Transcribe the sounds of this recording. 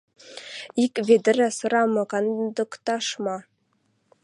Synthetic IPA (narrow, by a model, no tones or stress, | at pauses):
ikvʲed̪ɘ̆ɾæsɤ̆ɾɑmɤ̆kɑnd̪ɤ̆kt̪ɑʃmɑ